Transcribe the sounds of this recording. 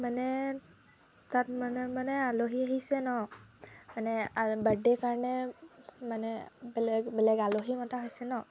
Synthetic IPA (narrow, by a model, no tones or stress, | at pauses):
manɛ | tatmanɛmanɛaloɦiaɦisɛnɔ | manɛabadɛkaɹnɛ | manɛbɛlɛɡbɛlɛɡaloɦimataɦojsɛnɔ